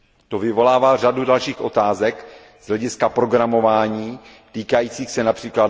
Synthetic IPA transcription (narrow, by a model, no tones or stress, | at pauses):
t̪ovɪvo̞laːvaːr̝adudalʃiːxʔo̞t̪aːzɛk | z̥lɛɟɪskapɾo̞ɡɾamo̞vaːɲiː | t̪iːkajiːt͡siːxsɛnapr̥iːkla